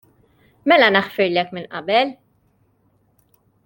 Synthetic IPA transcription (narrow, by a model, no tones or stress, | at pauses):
mɛlɐnɐħfɪɾlɛkmɪnʔɐ̰bɛl